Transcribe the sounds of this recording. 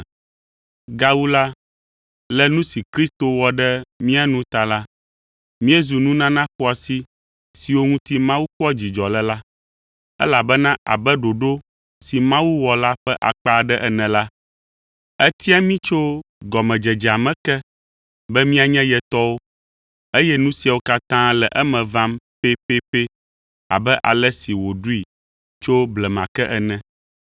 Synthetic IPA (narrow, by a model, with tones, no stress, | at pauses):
ɡa˦wu˦la˦ | lɛ˦nũ˦si˨kɾi˦st̪o˨wɔ˨ɖɛ˦mĩ˦a˨nũ˦t̪a˨la˦ | mĩ˦ɛ˦zu˨nũ˦nã˦nã˦ɸɔ˦a˨si˦ | si˨wo˦ŋũ˦t̪i˦mã˦wu˦kɔ˦d͡ʑi˨d͡ʒɔ˨lɛ˦la˦ | ɛ̰˦la˨bɛ˦nã˦ʔa̰˨bɛ˦ɖo˨ɖo˦ | si˨mã˦wu˦wɔ˨la˦ɸɛ˦ʔa̰˨k͡pa˦˨ɖɛ˦ʔɛ˨nɛ̃˨la˦ | ɛ˦t̪i˦a˦mĩ˦t͡ʃo˦ɡɔ˨mɛ̃˨d͡ʒɛ˨d͡ʒa˨mɛ̃˦kɛ˦ | bɛ˦mĩ˦a˨ɲɛ̃˦jɛ˨t̪ɔ˦wo˦ | e˦jɛ˦nũ˦si˨˦a˨wo˦ka˦t̪ã˦lɛ˨ʔɛ˦mɛ̃˨vã˦mpe˦pe˦pe˦ | a̰˨bɛ˦ʔa̰˨lɛ˦si˨wo˨ɖu˦i˨ | t͡ʃo˦blɛ˨mã˨kɛ˦ʔɛ˨nɛ̃˦